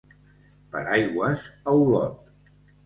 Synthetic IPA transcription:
pə̰ɾajɣwəsəwlɔ̰t̪̚

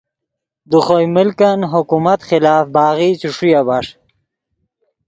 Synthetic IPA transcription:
d̪əχojmɪlkanɦʊkumat̪χɪlaːfbaːɣit͡ɕuʂujabaʂ

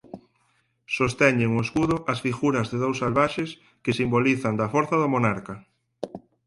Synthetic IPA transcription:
sost̪ɛɲeŋoeskuðʊʔɐsfiɣuɾɐzðeðowsalβaʃes | kesimboliθand̪afoɾθaðomonaɾka

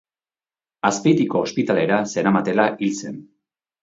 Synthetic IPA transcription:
aspejt̪iko̞ːspit̪ale̞ɾase̞ɾamat̪e̞laʔilse̞n

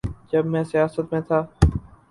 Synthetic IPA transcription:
d͡ʒəbmɛ̃ːsjaːsət̪mẽːt̪ʰaː

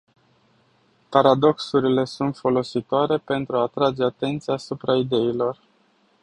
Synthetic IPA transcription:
paɾad̪o̞ksuɾile̞sunt̪fo̞lo̞sit̪oaɾe̞pe̞nt̪ɾuaːt̪ɾad͡ʒe̞at̪e̞nt̪siaːsupɾaid̪e̞ilo̞r

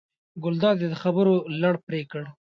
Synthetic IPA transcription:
ɡʊld̪ɑd̪ed̪əxabəɾolaɽpɾekəɽ

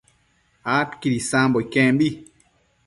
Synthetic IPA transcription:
akiɾisãmbɔikɛ̃mbi

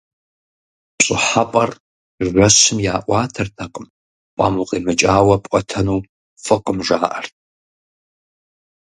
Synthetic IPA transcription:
pɕʼɪħapʼɐr | ʒʷɐɕɨmjaːʔʷɑːtʰɨrtʰaqʼəm | pʷʼaːmuqʼiːmɨt͡ʃʼaːwɐpʷʼɔtʰɐnuː | fɨqəmʒaːʔɐrt̚ʰʼ

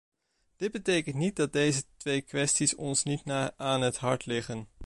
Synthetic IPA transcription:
d̥ɪd̚bətejkəntnit̚dɑd̚dejzətʋejkʋɛstisɔnsnitnaaːnɦətɦɑɹtlɪχən

